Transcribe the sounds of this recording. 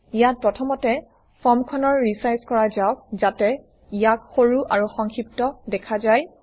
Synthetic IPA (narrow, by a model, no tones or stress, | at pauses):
ijat̚pɹɔtʰɔmɔtɛ | fʰɔmkʰɔnɔɹɹisajskɔɹazawkzatɛ | ijak̚xoɹuʔaɹuxɔŋkʰip̚tɔdɛkʰazaj